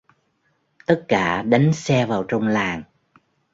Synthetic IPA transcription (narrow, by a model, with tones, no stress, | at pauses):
t̪ə˦˥t̚kaː˧˩ɗa˨˦ŋsɛ˧vaː˨˩wt͡ɕɔ˧wŋ͡mlaː˨˩ŋ